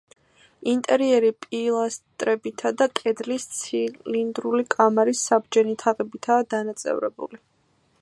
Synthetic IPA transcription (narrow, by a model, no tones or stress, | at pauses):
int̪ʼɛɾiɛɾipʼilˠast̪ʼɾɛbit̪ʰad̪akʼɛd̪list̪sʰilind̪ɾulikʼamaɾisːabd͡ʒɛnit̪ʰaʁɛbit̪ʰaːd̪anat̪sʼɛ̰vɾɛ̰bṵli